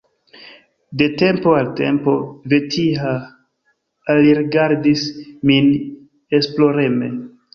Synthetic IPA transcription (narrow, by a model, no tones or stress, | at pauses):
de̞te̞mpo̞alte̞̰mpo̞ve̞tʰiɦa | aliɾiɡaɾdismin | e̞splo̞ɾe̞me̞